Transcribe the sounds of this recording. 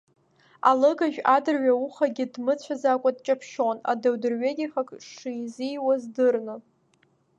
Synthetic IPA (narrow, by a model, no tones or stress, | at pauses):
a̰lɨɡaʒᶣadɨrɥauχaɡʲɪdmɨt͡ɕʷʰazakʷʼadt͡ʃʼapʰʃona̰dawdɨrɥeɡʲiχakʼʂijzijwazdɨrnɨ